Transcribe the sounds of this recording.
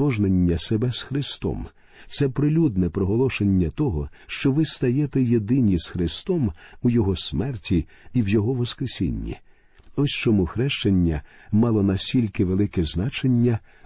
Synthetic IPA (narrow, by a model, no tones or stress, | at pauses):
ɔʒnenʲːɐsebɛsxɾɪst̪ɔ̰m | t̪sɛpɾɪlʲud̪nɛpɾɔɦɔlˠɔʃenʲːɐt̪ɔɦɔ | ʃt͡ʃɔʋɪst̪ɐjɛt̪ɛjed̪ɪnʲizxɾɪst̪ɔmujɔɦɔsmɛrtʲi | iwjɔɦɔʋɔskɾesʲḭnʲːḭ | ɔsʲt͡ʃɔmuxɾɛʃt͡ʃenʲːɐ | mɑlˠɔnɐsʲtʲilʲkɪʋelˠɪkɛznɑt͡ʃenʲːɐ